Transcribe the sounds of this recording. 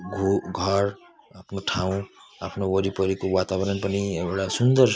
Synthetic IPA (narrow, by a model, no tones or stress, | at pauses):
ɡʱuɡʱʌɾ | apʰnoʈʰaũapʰnowʌɾipʌɾikowat̪abʌɾʌnpʌnieɽasund̪ʌr